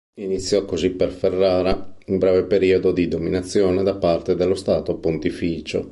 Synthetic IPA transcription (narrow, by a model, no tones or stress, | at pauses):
init̪sːjɔkːoziperferːaːɾaumbɾɛːvepeɾiːod̪od̪id̪ominat̪sːjoːned̪apːart̪ed̪elːost̪aːt̪opont̪ifiːt͡ʃo